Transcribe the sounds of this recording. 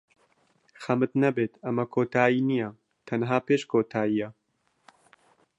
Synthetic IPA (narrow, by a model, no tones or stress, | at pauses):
xɐmɨt̪nɐbeːt̪ɐmɐkʰoːt̪ʰaːiːnijɛ | t̪ʰɐnɦaːpeːʃkʰoːt̪ʰaːijɐ